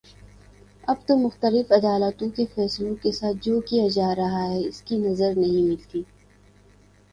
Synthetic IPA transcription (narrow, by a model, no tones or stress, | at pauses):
ɐbt̪omʊxt̪əlɪfɐd̪aːlət̪õkefɛːslõkesaːt̪̚ʰd͡ʒoːkijad͡ʒaːɾɐɦaɦɛɪskinɐzəɾnɐɦĩmɪlt̪iː